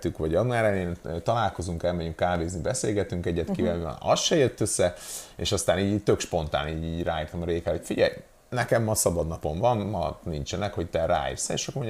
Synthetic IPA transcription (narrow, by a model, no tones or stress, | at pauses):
t̪ykʋɒɟɒɡ̪naːɾɛneːnøt̪ɒlaːlko̞zuŋkɛlmɛɟyŋkːaːveːznibɛseːlɡɛt̪yŋkɛɟɛt̪kivɛlɛ̰ɒsʃɛjøt̪ːøsːɛḛːʃɒst̪aːniːɟiːɟt̪økʃpo̞nt̪a̰ːniːɟiːɟraːiːrt̪ɒmɾeːkɛlo̞cfiɟɛ̰j | nɛkɛmːɒsɒbɒd̪nɒpo̞ɱvɒnmɒnint͡ʃɛnɛkho̞ct̪ɛɾa̰ːḭːrsɛḛːʃɒkmoɲ